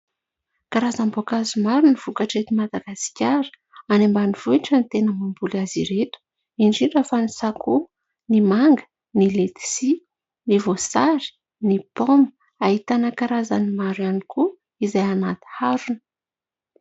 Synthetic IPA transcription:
kaɾazambokazumaɾuniv̥ukaʈ͡ʂet̪imad̪aɡaskʲaɾə̥ | anembaniv̥uiʈ͡ʂant̪enəmumbulaziɾet̪u̥ | iɳɖ͡ʐiɳɖ͡ʐafanisakʰu | nimaŋɡə̥ | nilet̪i̥si | nivosaɾi̥ | nipomə | ahit̪anəkaɾazanimaɾwanikʰu | izajanat̪i̥haɾunə̥

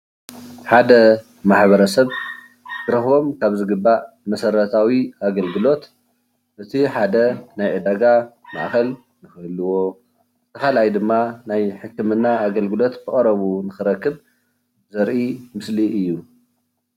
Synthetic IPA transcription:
ħad̪ɐ | maħbɐɾɐsɐβ | kɨɾɐxβo̞mkʰaβzɨɡɨbːa | mɐsɐɾɐt̪ʰawiaɡɐlɡɨlo̞t̪ | ʔɨt̪ʰiħad̪ɐnajʕɨd̪aɡa | na̰ʔaxɐl | nɨxɨlːɨwo̞ | t̪ʰɐxalajd̪ɨmːanajħɨkːɨmɨnːaaɡɐlɡɨlo̞t̪bɨχʼɐɾɐβunɨxɨɾɐkːɨβ | zɐɾʔimɨsliʔɨjːu

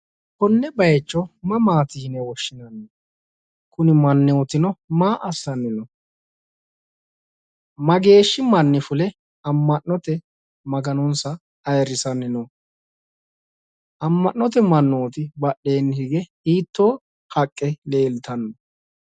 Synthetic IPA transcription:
kɔnːɛbɐjt͡ʃːɔmɐmaːt̪iːnɛwɔʃːɪnɐnːɔ | kʊnɪmɐnːɛɔt̪ɪnɔmaːʔɐsːɐnːɪnɔ | mɐɡe̞ːʃːɪmɐnːɪfʊlɛ | ɐmːɐnːɔt̪ɛ | mɐɡɐnɔnsɐ | ɐjɾɪsɐnːɪnɔ | ʔɐmːɐnːɔt̪ɛmɐnːoːt̪ɪbɐɗe̞ːnːhɪɡɛ | iːt̪ːo̞ː | hɐkʼːɛle̞ːlt̪ɐnːɔ

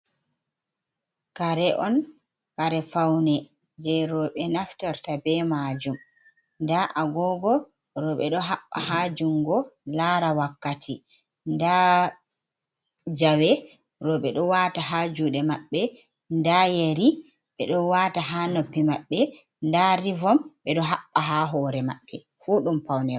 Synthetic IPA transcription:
kaɾɛʔɔn | kaɾɛfawnɛ | d͡ʒɛɾɔɓɛnaftaɾtabɛmad͡ʒum | ndaʔaɡɔɡɔ | ɾɔɓɛɗɔɦaɓːa̰haːd͡ʒuŋɡɔlaɾawakːatʰi | nda | d͡ʒawɛ | ɾɔɓɛɗɔwataɦad͡ʒuɗɛmaɓːɛ | ndajeɾi | ɓɛɗɔwataɦanopːimaɓːɛ | ndaɾivɔmɓɛɗɔɦaɓːaɦaɦɔɾɛma̰ɓːɛ | fuɗumpawnɛɾɔ

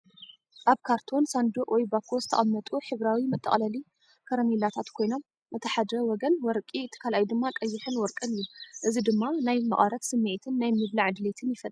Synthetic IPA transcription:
ʔaβkʰaɾt̪ʰo̞nsand̪uʔʼwɔjbakʰːozɨt̪ʰɐ̰ʔʼɐmːɐt̪ʼuħɨβɾawimɨt̪ʼːɐ̰χʼlɐli | kʰɐɾɐmelat̪ʰat̪kʰo̞jno̞mːɐt̪ʰːɐħad̪ɾɐwɔɡɐnwɔɾkʼiɨt̪ʰi̥kʰalajd̪ɨmːakʼɐjːɪħɨnwɔɾkʼɨnɨjːuʔɨzid̪ɨmːanajmɐ̰χʼɐɾɐt̪sɨmːet̪ʰɨnːajmɨβlaʕad̪let̪ʰɨnjɪfɐlː

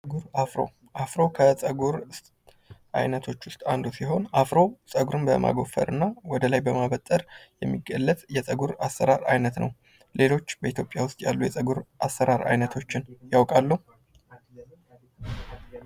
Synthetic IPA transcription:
ɡuɾafɾo̰ | ʔafɾowkʰəsʼəɡuɾ | ʔa̰jnət̪ʰo̞t͡ʃːwʊst̪ʼand̪usiɦo̞nafɾowsʼəɡuɾɨnbəmʔa̰ɡo̞fə̰ɾɨnːawɔd̪əlajbəmaβət̪ʼːəɾjɛmːiɡəlːət̪ʼjɛsʼəɡuɾasːəɾaɾajnət̪nʔə̰w | le̞lo̞t͡ʃːbəit̪ʰjo̞pʼjawʊst̪ʼjalːujɛsʼəɡuɾʔasːəɾaɾa̰jnət̪ʰo̞t͡ʃːɪnjawkʼalːəhu

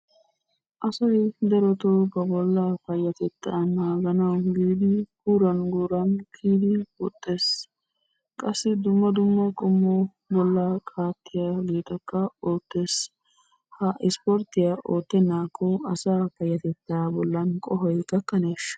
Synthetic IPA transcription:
ʔɐsɐjd̪ɛɾɔt̪obɐbɔlːafɐjːɐt̪ɛt̪ːanaːɡɐnɐwɡiːd̪ɪɡ̥uːɾɐnɡuːɾɐnkʰiːd̪ɪwɔt̪ʼːe̞ːs | kʼɐsːɪd̪ʊmːɐd̪ʊmːɐkʼɔmːɔ | bɔlːɐkʼʰaːt̪ːɪjaɡiːt̪ɐkːɐo̞ːt̪ːe̞ːs | hɐʔɪspɔɾt̪ɪjaʔoːt̪ːɛnːaːkːɔɐsaːfɐjːɐt̪ɛt̪ːaːbɔlːɐnkʼɔɦɔjkɐkːɐneːʃ

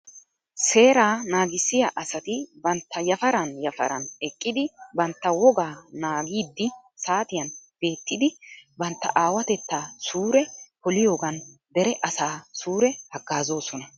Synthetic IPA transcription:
se̞ːɾaːnaːɡɪsːɪjaʔɐsɐt̪ɪbɐnt̪ːɐjɐfɐɾɐnjɐfɐ̰ɾɐ̰nɛkʼːɪd̪ɪbɐnt̪ːɐwɔɡaːnaːɡiːd̪ːɪ | saːt̪ɪjɐnb̥e̞ːt̪ːɪd̪ɪbɐnt̪ːɐ̰ʔaːwɐt̪ɛt̪ːaːsuːɾɛpɔlɪjo̞ːɡɐnd̪ɛɾɛʔɐsaːsuːɾɛhɐɡːaːzo̞ːsɔnɐ

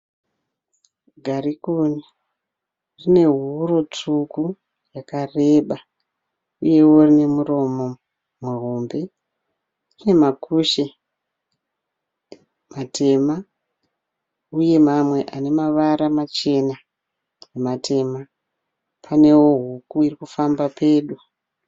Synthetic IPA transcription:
ɡʱaɾikuni | rine̞ɦuɾo̞t͡ʂuku | jakare̞ɓa | uje̞wo̞rine̞muro̞mo̞ | mweɦo̞mbe̞ | rine̞makʰuʃe | matʰe̞ma | uje̞mamwe̞ʔane̞maʋaɾamat͡ʃe̞na | jematʰe̞ːma | pʰane̞wo̞ɦukuirikufambapʰe̞ːɗu

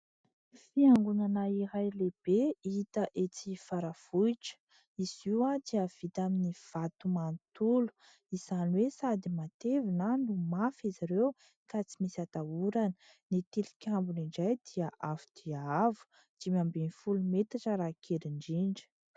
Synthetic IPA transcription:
fiaŋɡunanaiɾajleb̥eit̪əʔet͡sifaɾav̥uiʈ͡ʂə̥ | iz̥iwad̪̥iəv̥it̪aminiv̥at̪umant̪ulu̥ | iz̥aniwesad̪imat̪evinanumafizaɾew | kat͡simisat̪auɾanə | nit̪ilikʲambuniɳɖ͡ʐajd̪iəʔavud̪̥iaavu̥ | d̪̥imambenifulumet̪aʈ͡ʂəɾakʰeɾiɳɖ͡ʐiɳɖ͡ʐi̥

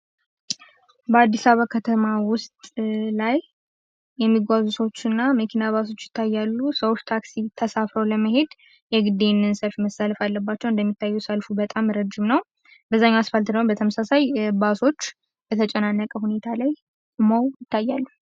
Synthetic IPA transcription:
bəad̪ːisaβakʰət̪ʰəmawʊst̪ʼlaj | jɛmːiɡʷazuso̞t͡ʃːɨnːaməkʰinaβaso̞t͡ʃːjɪt̪ʰːajːalːusəwot͡ʃːt̪ʰaksit̪ʰəsafɾəwləməɦe̞d̪ | jɛɡɨd̪e̞nːɨnsəlfiməsːaləfalːəbːat͡ʃːɛwɨnd̪əmːit̪ʰːajːusəlfubət̪ʼamɾəd͡ʒɪmnəw | bəzːaɲːaasfalt̪d̪əmbət̪ʰəməsasajbaso̞t͡ʃː | bət̪ʰət͡ʃʼɛnanːəkʼəhune̞t̪ʰalaj | ɨmowjɪt̪ʰːajːalːu

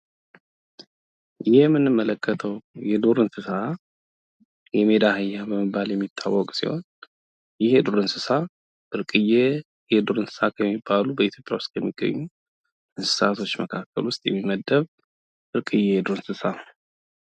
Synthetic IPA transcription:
jɪhɪjɛmːɨnːɨmːələkʰːət̪ʰəwjɛd̪uɾɨnsɨsa | jɛme̞d̪ahɨjːabəmɨbːaljɛmːit̪ʰːawːɔkʼsḭho̞̰n | jɪhɛd̪uɾɨnsɨsa | ʔɨɾkʼɨje | jɛd̪uɾɨnsɨ̥sakʰəmːibalubəit̪ʰjo̞pʼjawʊst̪ʼʰjɛmːiɡ̥ːə̰ɲːu | ɨnsɨ̥sat̪ʰo̞t͡ʃːməkʰakʰːəlwʊst̪ʼjɛ̰mːiməd̪əβ | ʔɨɾkʼɨjːejɛd̪uɾɨnsɨsa

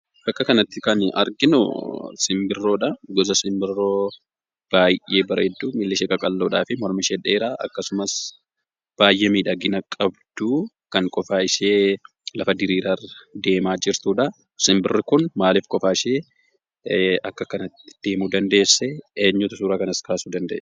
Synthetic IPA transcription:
bɐkːɐkɐnɐt̪ːɪkɐnɐ̰ɾɡɪnʊ̰sɪmbɪrːo̞ːᶑɐɡɔzɐsɪmbɪrːoː | b̥aːjːeːbɐɾʔed̪ːumɪlːɪʃɛːkʼɐkʼɐlːoːᶑaːfɪmɔɾmɪʃɛᶑeːɾaːʔɐkːɐsʊmɐs | b̥aːjʔɛmiːᶑɐɡɪnɐkʼɐbd̪̥u | kɐŋkʼɔfaːɪʃeː | lɐfɐd̪ɪɾiːɾad̪e̞ːmaːd͡ʒɪɾt̪uːᶑɐ | sɪmbɪrːɪkʊnmaːlɪːfkʼɔfaːɪʃeː | ɐkːɐkɐnɐt̪ːɪ̥d̪̥e̞ːmuːd̪ɐnd̪e̞ːsːɛeːɲːʊt̪ɐsuːɾaːkɐnɐskʰaːsuːd̪ɐnd̪ɐ̰ʔ

